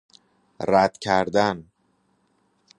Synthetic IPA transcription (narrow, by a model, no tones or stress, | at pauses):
ɾæd̪̥cʰæɾd̪æn